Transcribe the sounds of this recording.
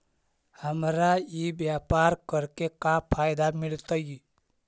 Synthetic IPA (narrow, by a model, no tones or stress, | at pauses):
həmɾajibjapaːɾkəɾkekapʰaːjd̪amɪlt̪əji